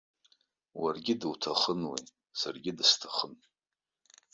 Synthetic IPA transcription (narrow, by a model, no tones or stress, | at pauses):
warɡʲɪdɨwtʰaχənwḛj | sarɡʲɪdɨstʰaχən